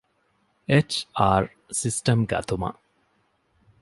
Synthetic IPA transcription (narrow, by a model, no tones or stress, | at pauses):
et͡ʃaːɾ | sisʈɐmɡɐ̰t̪umɐ̰